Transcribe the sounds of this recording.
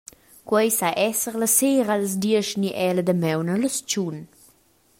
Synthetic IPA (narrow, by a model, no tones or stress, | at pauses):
kwɛjsaʔɛsəɾləseɾaləz̬d̪iəʃniʔɛləd̪əmɛwnələst͡ʃun